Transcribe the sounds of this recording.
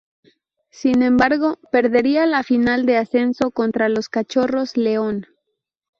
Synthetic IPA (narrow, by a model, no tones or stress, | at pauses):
sinẽ̞mbaɾɣo̞pe̞ɾðe̞ɾialafinald̪e̞ase̞nso̞ko̞nt̪ɾalo̞skat͡ʃo̞ro̞zle̞o̞n